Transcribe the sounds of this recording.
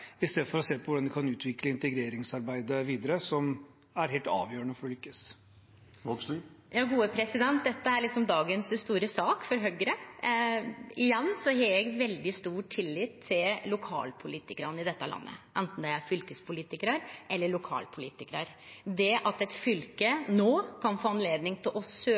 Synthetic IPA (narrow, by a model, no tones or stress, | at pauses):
ɪst̪eːd̪əfɔɾɔseːpʰɔʋʊɖɑnd̪ɪkʰɑnʉːt̪ʰʋɪkləɪnt̪əɡɾeːɾɪŋsɑɾbæɪd̪əʋiːd̪əɾəsɔm | æɾɦeːlt̪ɑ̰ːʋjøːənəfɔɖɔlʏkːəs | jɑːɡuːəpʰɾɛsɪd̪ɛnt̪̚d̪ɛt̪ːəæɾɭɪksɔmd̪ɑːɡənsst̪uːɾəsɑːkfɔɾɦœɡəɾə | ɪjɛnːsɔheːɾjɛɡʋɛld̪ɪst̪uːʈʰɪlːiːt̪ʰːɪllʊkʰɑ̰ːlpʰʊliːt̪ɪkəɾənəɪd̪ɛt̪ːəlʔɑ̰nːə̰ʔɛnt̪n̩d̪ɛæfʏlkəspʰʊliːt̪ɪkəɾəɾʔɛlːəɭʊkʰɑ̰ːlpʰʊlḭːt̪ɪkɾəɾ | d̪ɛʔɑt̪ɛt̪fʏlkənoːkʰɑnfoːɑnleːd̪nɪŋt̪ʰɪlʔɔsøː